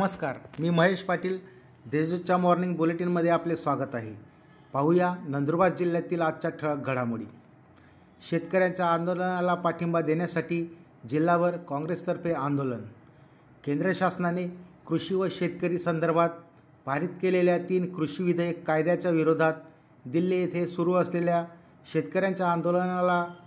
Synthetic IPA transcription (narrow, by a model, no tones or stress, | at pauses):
nəməskaɾmiːməɦeɕpaʈiːl | d̪ed͡zut͡ɕamɔɾniŋɡ̚buleʈiːnməd̪ʱːjeaplesʋaɡət̪aɦḛ | paɦujanənd̪ɾubad̪̚d͡ʑilːjat̪iːlad̪̚t͡ɕaʈʰəɭɡʱəɽamuɽḭː | ɕet̪kəɾjaɲt͡ɕjaːnd̪olənalapaʈʰimbad̪enjasaʈiː | d͡ʑilːaʋəɾkɔ̃ŋɡɾest̪əɾpeand̪olən | kẽnd̪ɾəɕasnanekɾuɕiːʋəɕet̪kəɾiːsənd̪əɾbʱat̪̚ | paɾit̪keleljat̪iːnkɾuɕiʋid̪ʱəjekːajd̪jat͡ɕjaʋiɾod̪ʱat̪̚ | d̪ilːejet̪ʰesuɾuːəslelja | ɕet̪kəɾjaɲt͡ɕjaːnd̪olənala